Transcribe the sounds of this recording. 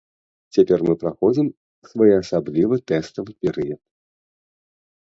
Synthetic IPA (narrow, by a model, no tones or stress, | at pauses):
t͡sʲapʲɛrmɨpɾaxɔd͡zʲim | svajɛɐsablʲivɨt̪ɛst̪ɐvɨpʲɛɾɨjɐt̪̚